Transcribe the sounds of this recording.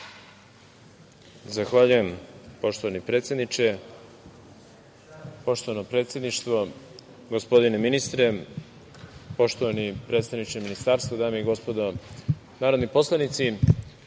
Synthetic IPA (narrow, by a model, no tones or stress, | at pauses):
zaxʋaːʎuje̞mpo̞ʃt̪oʋanipɾe̞ːt̪sjed̪nit͡ʃe | po̞ʃt̪o̞ʋanopɾet̪sje̞d̪niʃt̪ʋo | ɡospo̞d̪ineminist̪ɾe̞ | po̞ʃt̪oʋanipɾe̞ːt̪st̪avnit͡ʃeminist̪aːɾst̪vod̪aːmeiɡo̞spo̞d̪o | naːɾo̞d̪nipo̞slˠanit̪si